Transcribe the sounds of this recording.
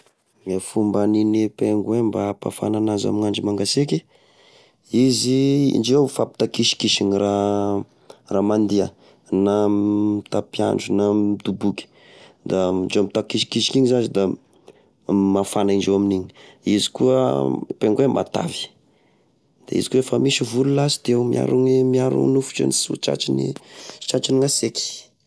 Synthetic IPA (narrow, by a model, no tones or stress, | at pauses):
ŋefumbaninipeŋɡwembapa̰fa̰nanaza̰minaɳɖ͡ʐimaŋɡasiki | iziḭnɖ͡ʐewfapi̥t̪akiʃi̥kiʃinira | ramand̪iə | nat̪apia̰nɖ͡ʐunamit̪ubukʲi̥ | d̪aind͡ʒemit̪akiʃi̥kiʃi̥kiɲizazid̪a | mafanainɖ͡ʐewaminiɲi̥izi̥kuəpeŋɡwema̰t̪a̰vi̥ | d̪̥ḛḭzi̥kuefəmiʃivululazid̪̥ewmia̰ɾuŋimiaɾṵŋnufu̥t͡ʃa̰nisṵt͡ʃa̰t͡ʃinḭt͡ʃat͡ʃiniŋaseki̥